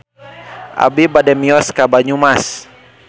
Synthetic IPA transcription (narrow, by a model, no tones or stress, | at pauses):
ʔa̰bibadɛmiɔskabaɲumas